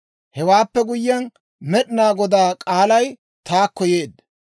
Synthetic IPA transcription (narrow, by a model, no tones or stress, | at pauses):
hɛwaːpːɛɡʊjːɐn | mɛɗɪnaːɡɔd̪aːkʼaːlɐj | t̪aːkːɔjeːd̪ːɐ